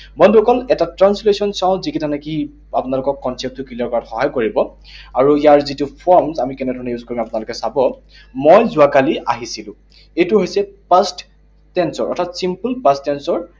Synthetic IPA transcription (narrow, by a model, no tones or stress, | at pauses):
bɔnduɔkɔlɛtatɹanslesɔnsãʊ̃zikitʰanaki | apʊnalʊkɔkːɔnsɛp̚tʊkilɔɹkɔatxɔɦajkoɹibɔ | aɹuijaɹzitupʰɔɹmzamikɛnɛdʱɔɹɔnɛjuzkoɹimapʊnalʊkɛsabɔ | mojzʊakaliʔaɦisilʊ̃ | ejtuɦojsɛpast | tɛnsɔɹʔɔ̰tʰatsimpulpastːɛnsɔɹ